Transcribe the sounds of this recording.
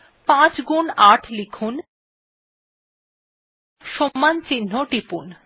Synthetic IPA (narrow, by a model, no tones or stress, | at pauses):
pãt͡ɕɡunaʈʰlikʰun | ʃomːant͡ɕinːoʈipun